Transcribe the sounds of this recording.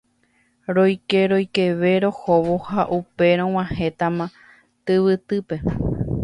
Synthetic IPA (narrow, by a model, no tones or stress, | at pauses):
ɾo̞jke̞ɾo̞jke̞ʋe̞ɾo̞hoʋohaʔupe̞ɾ̃õw̃ãhe̞t̪amã | t̪ɨʋɨt̪ɨpe̞